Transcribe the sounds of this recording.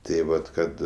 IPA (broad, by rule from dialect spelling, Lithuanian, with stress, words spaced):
tʲeː ˈʋɐt ˈkɐt